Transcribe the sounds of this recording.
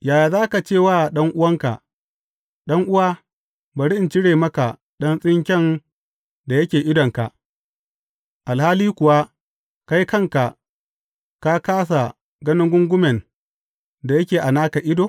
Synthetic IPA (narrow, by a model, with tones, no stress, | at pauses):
jaː˨jaː˨zaː˦ka˨t͡ʃeː˦˨waː˦˨ɗɐ˦ŋʔʊ˦wɐ˦ŋka̰˨ | ɗɐ˦ŋʔʊ˦waː˦ | ba˨ɽɪ˦ʔɪ˨nt͡ʃɪ˦ɽeː˨mɐ˦ka˨ | ɗɐ˦nsʼɪ˦ŋkʲɛ˦˨n | da˨jɐ˦kʲeː˨ʔɪ˦dɔ˨ŋka̰˨ | ʔa˨lhaː˦liː˦kʷʊ˨wa˦ | ka˦ji˦kɐ˦˨ŋka˨ | ka˦kaː˦s̬a˨ | ɡɐ˦nɪ˦ŋɡʷʊ˦ŋɡʷʊ˦mɛ˨n | da˨jɐ˦kʲeː˨ʔa˨naː˦ka˨ʔɪ˦doː˨˦